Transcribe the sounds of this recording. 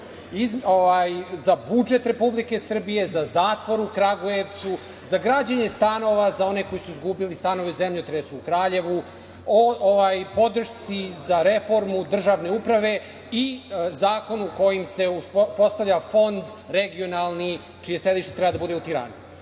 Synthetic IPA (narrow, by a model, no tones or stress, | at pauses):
izoʋaːjzabud͡ʒe̞t̪ɾe̞publike̞sr̩bije̞zazaːt̪ʋo̞ɾukɾaɡoje̞ʋt̪su | zaɡɾaːd͡ʑeɲe̞st̪ano̞ʋazao̞ne̞ko̞jisuizɡubilist̪ano̞ʋezemʎut̪ɾesuːkɾaːʎe̞ʋu | ooʋaːjpo̞d̪r̩ʃt̪sizaɾe̞fo̞ɾmud̪r̩ʒaːʋne̞upɾaʋe̞ | izaːko̞nuuko̞jimse̞uspo̞st̪aʋʎafo̞nd̪ | ɾeɡio̞nalˠni | t͡ʃijese̞d̪iʃt̪et̪ɾɛbad̪abud̪e̞ut̪iɾa̰ːnu